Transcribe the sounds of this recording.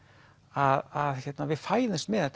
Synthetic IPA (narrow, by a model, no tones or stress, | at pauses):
aðaðçjɛt̪navɪðfaːjðɪnst̪mɛðɛt̪